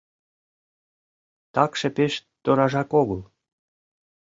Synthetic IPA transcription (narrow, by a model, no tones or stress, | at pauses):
t̪ɑkʃĕpeʃt̪oɾɑʒɑkoɣəlˠ